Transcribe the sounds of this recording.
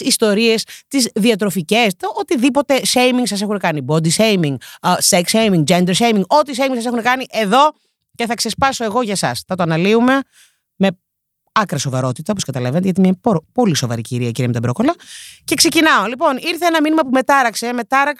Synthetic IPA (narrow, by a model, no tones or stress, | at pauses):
ist̪o̞ɾie̞st̪izðiɐt̪̬ɾo̞fice̞st̪ot̪iðipo̞t̪e̞se̞jmiŋɡsɐs̬e̞xunekɐnibo̞d̪isejmiŋɡseksejmiŋd͡ʒe̞nd̪eɾʃejmiŋɡo̞t̪is̬ejmiŋsɐse̞xunekɐniʔe̞ðo̞ | ce̞θɐkse̞spɐso̞e̞ɣo̞ʝɐsɐsθɐt̪oɐnɐliume̞ | me̞ | ɐkɾɐso̞vɐɾo̞t̪it̪ɐo̞poskɐt̪ɐlɐvenet̪eɐt̪imɲɐpopo̞liso̞vɐ̰ɾḭciɾiɐciɾijɐmt̪ɐbɾo̞kolɐce̞kse̞cinɐo̞lipo̞niɾθeenɐminimɐpume̞t̪ɐɾɐkseme̞t̪ɐɾɐk